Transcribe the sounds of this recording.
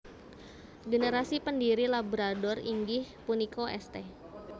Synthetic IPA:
ɡənəɾasipəndiɾilabɾadɔrḭŋɡɪhpunikoʔɛ̰st̪e

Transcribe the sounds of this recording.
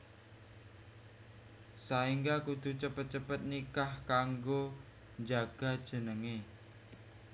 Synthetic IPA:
saiŋɡakud̪̥ṳt͡ʃəpət̪̚t͡ʃəpət̪̚nikahkaŋɡo | ɲd͡ʒaɡ̥a̤d̥ʒ̥ə̤nəŋe

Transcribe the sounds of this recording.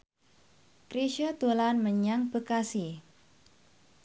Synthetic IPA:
kɾiʃət̪ulanməɲaŋb̥əkasi

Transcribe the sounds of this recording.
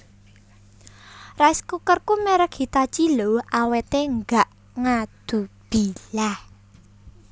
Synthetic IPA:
raiskukərkumɛɾəkhit̪at͡ʃiloʔawet̪eŋɡaʔ | ŋad̪̥ṳb̥i̤lah

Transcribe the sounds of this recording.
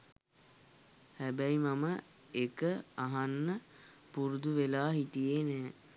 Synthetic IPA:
hæbæjmamə | ekəaɦanːə | puɾud̪uʋelaːɦit̪ijenɛː

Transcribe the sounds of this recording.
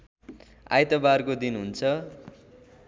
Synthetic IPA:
a̰jt̪ʌbarkod̪inɦunt͡sʰʌ

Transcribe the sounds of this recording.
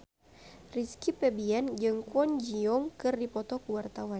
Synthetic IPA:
riskipɛbiɛnd͡ʒɨŋkuɔnd͡ʒiɔŋkɨrdipɔt̪ɔkuwart̪awan

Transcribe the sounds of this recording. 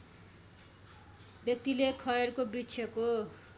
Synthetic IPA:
bjʌk̚t̪ilekʰʌjeɾkobritsʰjʌko

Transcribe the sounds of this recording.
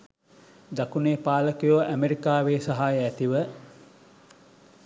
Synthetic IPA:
d̪akuneːpaːləkujoːʔæmeɾikaːʋeːsaɦaːjəæt̪iʋə

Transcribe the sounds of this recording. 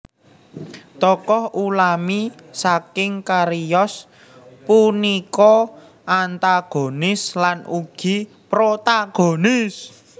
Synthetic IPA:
t̪ɔkɔhulami | sakɪŋkaɾijɔs | punikɔ | ʔant̪aɡ̥o̤nɪslanuɡ̥i̤ | pɾot̪aɡ̥onɪs

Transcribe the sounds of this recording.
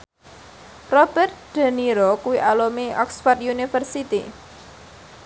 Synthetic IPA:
rɔb̥ɛrt̪̚d̪̥a̤niɾɔkuwiʔalomiʔɔ̰ksfat̪̚junifərsit̪ḭ

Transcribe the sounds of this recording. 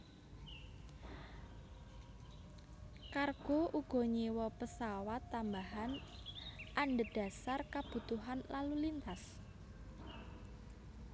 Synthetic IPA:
karɡ̥oʔuɡ̥ɔ̤ɲiwɔpəsawat̪ːambaɦan | ʔaɳɖəd̥a̤sarkab̥ṳt̪uɦanlalulint̪as

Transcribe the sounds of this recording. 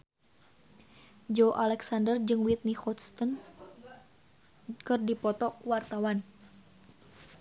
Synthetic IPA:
d͡ʒoʔalɛksandərd͡ʒɨŋwit̪̚nihɔt̪st̪ən | kɨrdipɔt̪ɔkwart̪awan

